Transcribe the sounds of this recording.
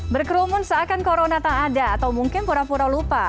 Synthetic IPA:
bərkəɾumʊnsaːkankoɾonat̪aŋadaːt̪awmuŋkɪnpuɾapuɾalupa

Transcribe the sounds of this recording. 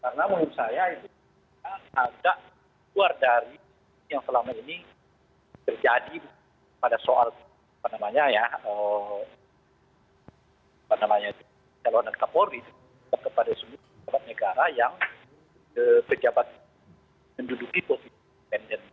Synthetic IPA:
kaɾənaməŋursajait̪u | aakdaʔ | luardaɾi | jaŋsəlamaini | t̪ərd͡ʒadi | kpadasoa̰l | apanamaɲajaə | apanamaɲait̪ | t͡ʃalonək̪apoɾit̪u | tat̪̚kəpadasəmupd͡ʒabat̪̚nəɡaɾajaŋ | əpəd͡ʒabat̪̚ | məndudukiposii | pɛndɛn

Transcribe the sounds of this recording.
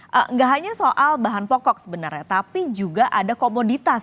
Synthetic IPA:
ʔʔə̰ŋɡaʔɦaɲasoʔalbaɦanpɔkɔk̚səbənarɲat̪apid͡ʒuɡaʔadakomodit̪as

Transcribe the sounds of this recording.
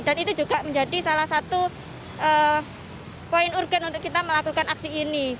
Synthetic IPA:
d̥anit̪ud͡ʒuɡaməɲd͡ʒadisalahsat̪u | ʔəː | poɪnurɡanunt̪ʊkːit̪aməlakukanaksiːni

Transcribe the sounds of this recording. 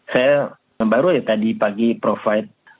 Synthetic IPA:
saja | baɾujat̪adipaɡipɾofaɪt̪̚

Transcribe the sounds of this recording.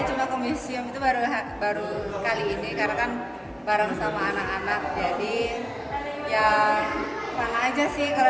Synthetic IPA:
t͡ʃumakomisiʊmit̪ubaɾuɦabaɾukaliːnikarnakan | baɾaŋsamaːnakanak̚d͡ʒadi | ja | panaːd͡ʒasɪhkal

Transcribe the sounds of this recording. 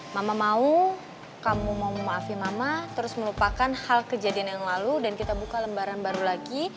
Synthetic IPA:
mamamau | kamumaummaːfimamat̪əɾʊsməlupakanhalkəd͡ʒadianjaŋlaludankit̪abukaləmbaɾanbaɾulaɡi

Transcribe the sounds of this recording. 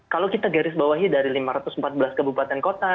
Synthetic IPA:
kalowkit̪aɡaɾɪsbawaɦidaɾilimaɾat̪ʊsm̩pat̪̚bəlaskabupat̪ɛnkot̪a

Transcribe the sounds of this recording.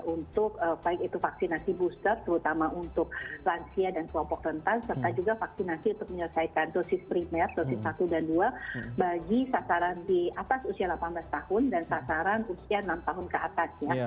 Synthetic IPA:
unt̪ʊk̚əbaɪkit̪ufaksinasibust̪ərt̪əɾut̪amaʔunt̪ʊk̚lansiadankuɔpɔk̚rənt̪aŋsərt̪ad͡ʒuɡafaksinasiunt̪ʊk̚məɲərsaikandosɪspɾimɛrdosɪsːat̪udanduabaɡisasaɾandiat̪asusialapanblast̪ahʊndansasaɾanusiaənamt̪aɦʊnkəat̪asja

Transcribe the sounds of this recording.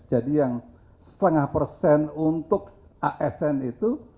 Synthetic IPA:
d͡ʒadijaŋ | sə̥t̪əŋahpərsɛnunt̪ʊk̚aʔɛsɛnit̪u

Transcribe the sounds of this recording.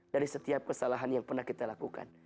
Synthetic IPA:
d̥aɾisət̪iap̚kəsalaɦanjaŋpərnahkit̪alakuka̰n

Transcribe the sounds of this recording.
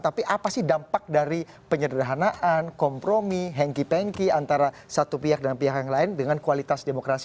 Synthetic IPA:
t̪apiʔapasɪhdampak̚daɾi | pəɲəddaɦanaʔankɔmpɾomiɦɛŋkipɛŋkiant̪aɾa | sat̪upiɦak̚dəŋanpiɦakjaŋlaɪndəŋankualit̪asdemokɾasi

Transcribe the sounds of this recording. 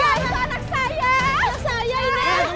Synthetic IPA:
asanak̚sajasajaini

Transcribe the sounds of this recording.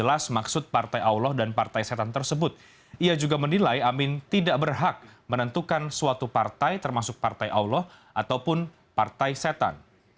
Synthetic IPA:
əlasmaksʊt̪̚part̪ajaulɔhdanpart̪ajset̪ant̪ərsəbʊt̪̚ | ʔiad͡ʒuɡamənilajamɪnt̪idaʔbərɦak̚mənənt̪ukansuat̪upart̪ajt̪ərmasʊk̚part̪ajʔaulɔh | ʔat̪awpʊn | part̪ajset̪a̰n

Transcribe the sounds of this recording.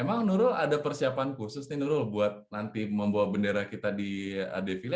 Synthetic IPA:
emaŋnuɾʊladapərsiapankusʊsninuɾʊlbuat̪̚nant̪iməmbaat̪̚bəndeɾahkit̪adia̰defil

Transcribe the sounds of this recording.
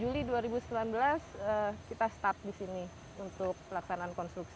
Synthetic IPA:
d͡ʒuliduaɾibusəmbilanbəlasəkit̪ast̪ap̚disini | unt̪ʊk̚pəlaksanaːnkɔnst̪ɾuksi

